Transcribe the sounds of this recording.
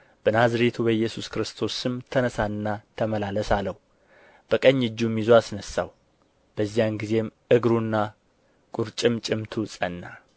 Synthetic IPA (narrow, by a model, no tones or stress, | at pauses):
b̥ɨnazɾet̪ʰubəjːɛsuskɾɨst̪ʰo̞sɨmt̪ʰənəsanːat̪ʰəməlaləsaləhu | b̥əkʼəɲːɨd͡ʒːumizoasnəsːa̰w | b̥əzːijanɡize̞m | ɨɡɾunːa | kʼuɾt͡ʃʼɨmt͡ʃʼɪmt̪ʰusʼənːa